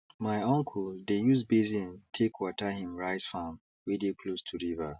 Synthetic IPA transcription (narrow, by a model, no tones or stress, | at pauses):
maɪɔ̃ŋkʰudejusbezĩntʰekʰwɔtahĩmɹaɪsfãm | wedekʰlostʰuɹiva